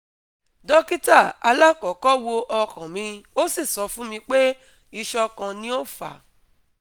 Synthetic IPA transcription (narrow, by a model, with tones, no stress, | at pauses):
dɔ˦ki˦ta˦˨a˧la˦kɔ˨kɔ˦wo˧ʔɔ˧kã˨mĩ˧o˦si˦˨sɔ˧fũ˦mĩ˧k͡pe˦ | i˧ʃɔ˧kã˧nĩ˦o˦fa̰˨